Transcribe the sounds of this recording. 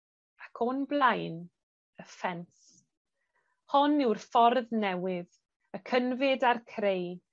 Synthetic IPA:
akʰɔnblˠajn | əfɛns | hɔnɪwrfɔrðnɛwɪð | əkʰənvɪdarkʰrej

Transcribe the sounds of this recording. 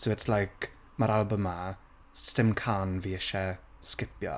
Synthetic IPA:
soʊɪtslaɪk | məɾalˠbə̃ma | sstɪ̃mkʰanviːəʃɛskɪpjə̰

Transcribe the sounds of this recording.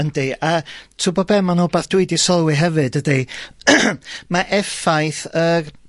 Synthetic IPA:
əndeatʰubɔbɛmanobaːθd̥wɪɨdisɔlˠwiɦɛvɨdəde | maʔɛfajθər

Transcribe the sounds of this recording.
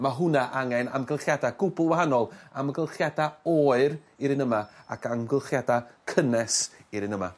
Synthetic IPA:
maɦʊnaʔaŋɛna̰mɡəlˠχjadaɡ̥ʊbʊlˠwaɦanɔlˠaməɡəlˠχjadaɔːɨɾ | iɾɪnəmaakʰamɡəlˠχjadakʰənɛsiɾɪnəma̰

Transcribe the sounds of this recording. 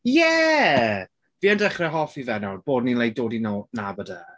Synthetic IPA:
jɛ | viːandɛχrɛɦɔfivɛnawb̥oːdninlˠej̚doːdinɔnabəda

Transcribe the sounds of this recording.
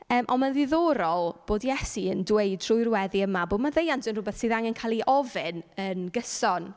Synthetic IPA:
əːmʔɔmanðɪðɔːɾɔlˠb̥oːdjɛsiəndwejdʰr̥ʊjrwɛðiəmaboːdmaðejantənrʊbɛθsɨːðaŋɛnkʰalˠiʔɔvɪnənɡəsɔn

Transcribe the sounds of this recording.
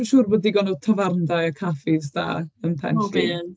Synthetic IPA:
ʃuːrboːdiɡɔnɔdtʰəvarndajakʰafɪzd̥a̰ːənpʰɛ̰nɬi

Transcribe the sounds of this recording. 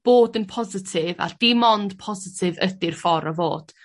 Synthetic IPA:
b̥oːdənpʰɔzɪtʰɪva̰d̥imɔnd̥pʰɔzɪtʰɪvədɪrfɔɾɔvo̰ːd̥

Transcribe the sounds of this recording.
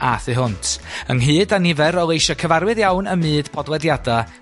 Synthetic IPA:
ʔaθɨɦʊntʰə̰ŋɦɨːdanɪvɛɾɔlˠejʃɔkʰəvaɾwɨðjawnəmɨːd̥pʰɔdlˠɛdjada

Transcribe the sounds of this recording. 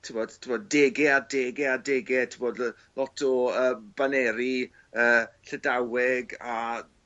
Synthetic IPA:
tʰɪbod̥tʰiboddeːɡɛadeːɡɛadeɡɛtʰiboːd | lɔtʰɔəːmb̥anɛɾi | əːɬədawɛɡa

